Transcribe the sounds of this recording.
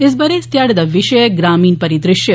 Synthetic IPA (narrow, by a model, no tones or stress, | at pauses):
ɪs̬bɐɾest̪jaːɽɐd̪ɐʋɪʃɐjəɡɾaːmiːnpɐɾid̪ɾɪʃjɐ